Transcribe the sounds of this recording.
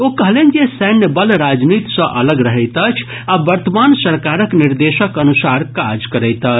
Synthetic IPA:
okəɦlend͡ʒesɛnəbəlɾad͡ʒnit̪sə̃ʔələɡɾəɦəjt̪ət͡ʃʰ | abəɾt̪əmansəɾkaɾəkniɾd̪esəkənusaɾkad͡ʒkəɾəjt̪ət͡ʃ

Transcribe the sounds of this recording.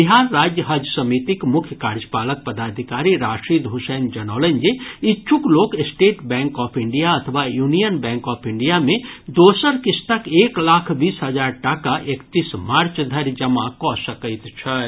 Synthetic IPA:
biɦaɾːaːd͡ʒjəɦəd͡ʒjəsəmit̪ikmʊkʰjəkaɾd͡ʒpaːlək̚pəd̪aːd̪ʱikaːɾiɾaʃʈɾid̪ʱusend͡ʒənaʊlənd͡ʒeitːʃʰukloːkesʈeːʈbɛ̃ŋkɔːpʰiɳɖijaɐt̪ʰəʋajunijənbɛ̃ːŋkɔːpʰiɳɖijamẽd̪oːsəɾkist̪əkeklakʰbiːsɦəd͡ʒaɾʈakaʔekt̪ismaɾt͡ʃd̪ʱəɾd͡ʒəmakɔsəkəɪt̪t͡ʃʰə

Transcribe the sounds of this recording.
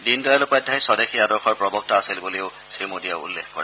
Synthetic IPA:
dinduɹalopadʱːajsɔdexʰiadɔɹxɔɹpɹɔbɔk̚taːsilbolejʊ | simodija̰ʊṵlːḛkʰkɔ̰ɹɛ

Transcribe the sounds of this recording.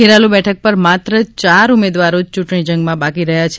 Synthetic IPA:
keɾalubɛʈʰək̚pəɾmat̪ɾət͡ʃaɾumed̪ʋaɾod͡ʒt͡ʃuʈɳid͡ʒə̃ŋɡmãbakiɾəɦjat͡ʃʰ

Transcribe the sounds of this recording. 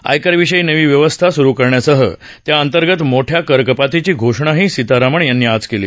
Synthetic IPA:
a̰jkəɾʋiɕəjnəʋiːʋjəʋəst̪ʰasuɾuːkəɾɳjasəɦə̰ | t̪jaənt̪əɾɡət̪moʈʰjakəɾkəpat̪it͡ɕiːɡʱoʂɳaɦiːsit̪aɾaməɳjanːiːad͡zkelḭː

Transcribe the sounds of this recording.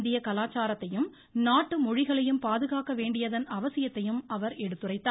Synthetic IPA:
nd̪ɪjɐkɐlaːt͡ʃaːɾɐt̪ːɐjɯm | naːʈːɯmɔɻɪɣɐɭɐjɯmpaːðɯɣaːkɐʋeːɳɖɪjɐðɐnɐʋɐsɪjɐt̪ːɐjɯmɐʋɐɾɛɽɯt̪ːɯrɐɪt̪ːaː

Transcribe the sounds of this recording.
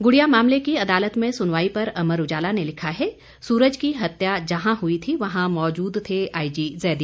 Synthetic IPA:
ɡʊɽijamaːmlekiɐd̪aːlət̪mẽsʊnʋaːipɐɾɐməɾʊd͡ʒaːlanelɪkʰaɦɛ | suːɾəd͡ʒkiɦɐt̪jad͡ʒɐɦãɦʊit̪ʰiʋɐɦãmɔːd͡ʒuːd̪t̪ʰeaːid͡ʒiːzɛːd̪i

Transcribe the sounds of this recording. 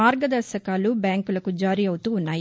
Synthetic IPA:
aːɾɡɐd̪ɐɾsɐkaːlubjaːŋkulɐkud͡ʒaːɾiɐwut̪uːnːaːji

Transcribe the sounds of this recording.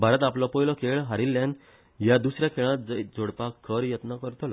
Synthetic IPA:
bʱaɾət̪aplɔpɔjlɔkʰeɭɦaɾilːan | jad̪usɾjakʰeɭ̃ãt̪̚d͡zd͡zoɽpakʰːəɾjət̪nakəɾt̪la

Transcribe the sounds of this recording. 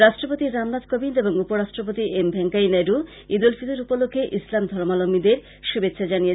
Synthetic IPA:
ɾaʃʈɾopot̪iɾamnat̪kobineboŋupoɾaʃʈɾopot̪iʔembʱɛŋkajnɛdu | id̪ulfid̪uɾupolokʰːeʔislamd̪ʱɔɾmalomːid̪eɾ | ʃubet̪ːɕʰad͡ʑanije

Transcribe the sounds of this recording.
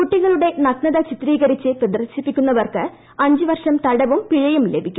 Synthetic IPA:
kuʈːiɣɐɭuɽe̞nɐkɳɐðɐt͡ɕit̪riːɣɐɾit͡ɕːɨprɐd̪rɐɕipːikʲːunːɐʋɐrkɨ | ɐɲd͡ʑɨʋɐrʂɐmt̪ɐɽɐʋumpiɻɐjumlebʱikʲːum

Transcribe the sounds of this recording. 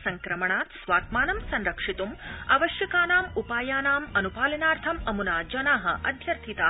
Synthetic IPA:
sɐŋkɾɐmɐɳaːt̪sʋaːt̪̚maːnɐmsɐnɾɐkʂit̪uma̰ʋɐʃjɐkaːnaːmupaːjaːnaːmɐnupaːlɐnaːɾt̪ʰɐmɐmunaːd͡ʒɐnaːɦɐ̰̆ʔɐd̪ʱjɐɾt̪ʰit̪aː

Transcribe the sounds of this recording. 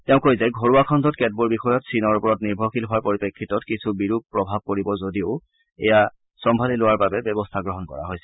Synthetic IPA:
tɛʊ̃kojzɛɡʱoɹuwakʰɔndʱɔtkɛt̚buɹbixɔjɔtsinɔɹupɔɹɔtniɹbʱɔxilɦʊaɹpoɹipekʰːitɔtkisʰubiɹub̚pɹɔbʱab̚koɹibɔzodiʊ | ɛ̰ja | sɔmbʱalilowaɹbabɛbɔbɔstʰaɡɹɔɦɔnkɔ̰ɹa̰ɦojsɛ̥

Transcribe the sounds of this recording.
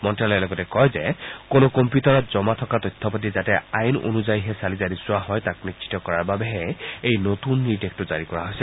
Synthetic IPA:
mɔntɹaljɛlɔɡɔtɛkɔjzekonokɔmpjutɔɹɔt̚zɔmatʰɔkatɔjt̪ʰːɔpɔt̬izatɛajno̰nuzajiɦɛsalizaɾisʊwaɦɔjtak̚nit͡ʃʃʰi̥tɔkɔɹaɹbabeɦɛejnotunːitek̚tʊzaɹikɔɹaɦojsɛ

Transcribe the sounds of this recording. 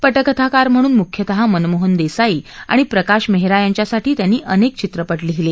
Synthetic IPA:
pəʈəkət̪ʰakaɾm̤əɽ̃uːnmukʰjət̪əɦamənmoɦənd̪esaia̰ɽ̃ipɾəkaɕmeɦiɾajaɲt͡ɕjasaʈʰiːt̪janːiːʔənek̚t͡ɕit̪ɾəpəʈliɦile

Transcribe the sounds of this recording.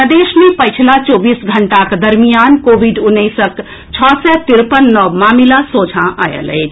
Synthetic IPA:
əd̪eʃmepəjt͡ʃʰlat͡ʃobisɡʱəɳʈakd̪əɾmijankobiɖunːəɪsək | t͡ʃʰɔsɛt̪iɾpənːɔmamilasod͡ʒʱãʔajə̰lə̰ɪt͡ʃʰ

